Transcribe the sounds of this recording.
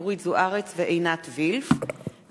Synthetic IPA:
ʁitzuʔaʁet͡sveʔejnat̪vilf

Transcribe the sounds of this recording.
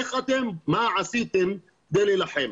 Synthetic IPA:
exat̪emːaʕasiːt̪ɪm | k̚d̪eːlilaħem

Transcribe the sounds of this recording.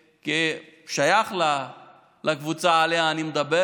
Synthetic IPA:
ki | ʃajaχla | lʔakvut͡saːleaːnimed̪abe

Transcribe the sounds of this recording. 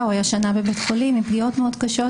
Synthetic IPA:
wajaʃanabebet̪χolimipɡio̞t̪meod̪kaʃo̞

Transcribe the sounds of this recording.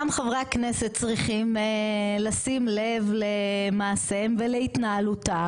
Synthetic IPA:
amχavʁakneset̚t͡sʁiχimelasimle̞vlemaːse̞mveleit̪naːluta

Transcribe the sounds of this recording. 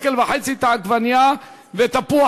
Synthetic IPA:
kelbaħet͡sit̪aaɡvanja | vet̪apua

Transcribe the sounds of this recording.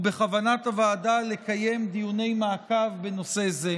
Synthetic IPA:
be̞χavanatavaːdale̞kaje̞md̪ijune̞jmaːkavbe̞no̞se̞ze

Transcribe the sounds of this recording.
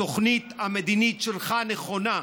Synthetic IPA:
oχnit̪amed̪init̪ʃelχaneχo̞na

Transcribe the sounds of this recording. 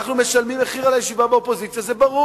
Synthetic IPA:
aχnume̞ʃalmimeχiʁalajeʃivabeopo̞zit͡sjazebaʁu

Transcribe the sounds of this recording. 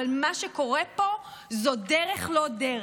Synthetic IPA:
almaʃeko̞ʁepo̞zod̪eʁeχlo̞d̪e

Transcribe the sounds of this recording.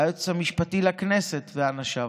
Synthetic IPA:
jot͡samiʃpatilakneset̪veanaʃa

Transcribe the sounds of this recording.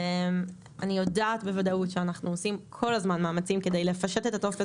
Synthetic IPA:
em | anijo̞daːtbevadautʃeanaχnuosimkʰo̞lazmanmaːmat͡simke̞d̪ejlefaʃe̞te̞t̪at̪o̞fe

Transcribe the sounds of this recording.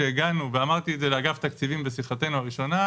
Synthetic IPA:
eːɡanuveamaʁt̪ietzeleaɡaft̪akt͡sivimbesiχat̪e̞nuaʁiʃo̞na

